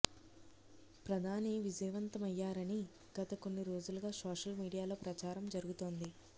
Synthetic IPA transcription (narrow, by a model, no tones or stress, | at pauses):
pɾɐd̪ʱaːniʋid͡ʒɛːʋɐnt̪ɐmɐjːaːɾɐni | ɡ̥ɐt̪ɐko̞nːiɾo̞ːd͡ʒuluɡaːsoːʂɐlmiːɽijaːlo̞ːpɾɐt͡ʃaːɾɐmd͡ʒɐɾuɡut̪o̞ːnd̪i